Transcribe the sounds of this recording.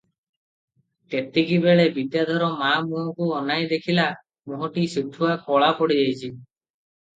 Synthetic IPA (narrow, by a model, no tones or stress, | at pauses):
t̪et̪ekibeɭebid̪jad̪ʱɔɾɔmamuɦɔkuɔnajd̪ekʰila | muɦɔʈisiɡ̚ʈʰuakɔɭapɔɽid͡ʒajt͡ʃʰi